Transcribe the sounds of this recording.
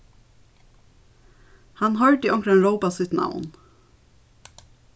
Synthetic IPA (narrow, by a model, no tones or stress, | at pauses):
hɑnhœɹʈiːʔɔŋkɾənɾoʊpɑsɪt̪nʔa̰ʊn